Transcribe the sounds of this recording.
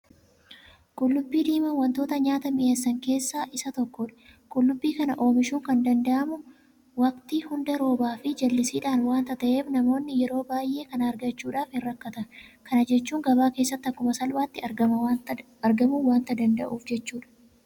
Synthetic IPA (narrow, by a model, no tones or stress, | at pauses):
kʼʊlːʊbːiːd̪iːmɐnwɐnt̪o̞ːt̪ɐɲaːt̪ɐmɪʔɐsːɐŋke̞ːsːaːʔɪsɐt̪ɔkːɔᶑɐ̥kʼʊlːʊbːiːkɐnɐʔo̞ːmɪʃuːŋkɐnd̪ɐnd̪ɐʔɐmʊ | wɐkt̪iːhʊnd̪ɐɾo̞ːbaːfɪd͡ʒɐlːɪsiːᶑaːnwaːnt̪ɐt̪ɐʔe̞ːfnɐmo̞ːnːɪjɛɾo̞ːbaːjʔe̞ːkɐnɐɾɡɐt͡ʃːuːᶑaːfhɪrːɐkːɐt̪ɐkɐnɐd͡ʒɛt͡ʃːuːŋɡɐbaːke̞ːsːɐt̪ːɐkːʊmɐsɐlbaːt̪ːɪɐɐɐ | ɐɾɡɐmuːwaːnt̪ɐd̪ɐnd̪ɐ̰ʔuːfd͡ʒɛt͡ʃːuːᶑɐ̥